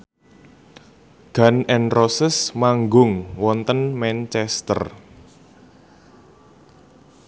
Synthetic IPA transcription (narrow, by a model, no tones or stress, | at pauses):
ɡ̥a̤nɛnrosɪsmaŋɡʊŋwɔnt̪ənmɛnt͡ʃɛst̪ə̰r